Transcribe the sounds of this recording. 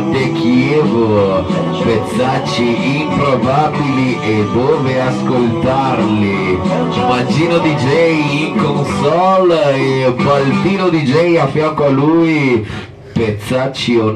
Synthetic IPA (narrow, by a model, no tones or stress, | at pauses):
t̪ek̟iɛːvo | pet̪sːat͡ʃːiimpɾobabiliʔed̪oːveaskolt̪arli | mad͡ʒiːnod̪id͡ʒɛjiŋkonsɔlebalt̪iːnod̪id͡ʒɛjafjaŋkoaluːj | pet̪sːat͡ʃːio